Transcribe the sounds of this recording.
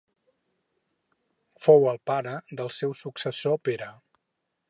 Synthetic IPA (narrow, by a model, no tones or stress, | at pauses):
fowəlˠpaɾəd̪əlˠsɛwsuksəsopeɾə